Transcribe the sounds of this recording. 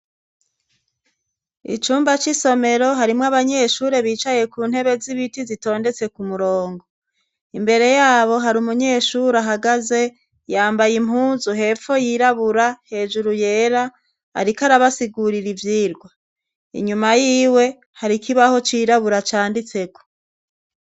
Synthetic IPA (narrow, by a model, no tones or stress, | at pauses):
ḭt͡ʃuːmbat͡ʃiso̞me̞ɾo̞ɦaɾimŋaβaɲe̞ːʃuːɾe̞βiːt͡ʃaje̞kuːn̥he̞βe̞ziβitizito̞ːnde̞t͡se̞kumuɾo̞ːŋɡo | imbe̞ɾe̞jaːβo̞ɦaɾumuɲe̞ːʃuɾaɦaɡaze̞ | jaːmbajimhuːnzuɦe̞ːfo̞jiːɾaβuɾahe̞ːʒuɾuje̞ːɾa | a̰ɾikaɾaβasiɡuɾiɾivjiːɾɡwa | ḭɲumajiːwe̞ | haɾikʰiβaho̞t͡ʃiːɾaβuɾat͡ʃaːndit͡se̞ko̥